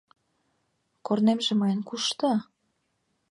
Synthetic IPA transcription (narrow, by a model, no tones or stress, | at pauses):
kornemʒĕmɑjənkuʃt̪ɤ